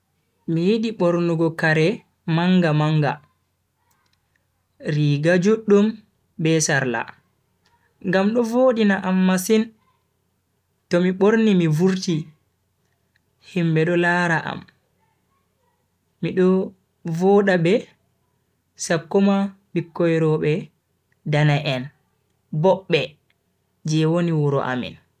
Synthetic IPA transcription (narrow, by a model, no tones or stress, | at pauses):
mijiɗiɓoɾnuɡɔkaɾɛ | maŋɡamaŋɡa̰ | ɾiɡad͡ʒuɗːum | bɛsaɾla̰ | ŋɡamɗɔvoːɗinaʔamːasin | tɔmiɓoɾnimivuɾti | himɓɛɗɔlaːɾaʔa̰m | iɗɔ | vɔːɗabɛ | sakːɔma | ɓikːɔjɾɔɓɛ | danaʔɛn | bɔɓːɛ | d͡ʒɛwoniwuɾɔ̰ʔa̰mḭn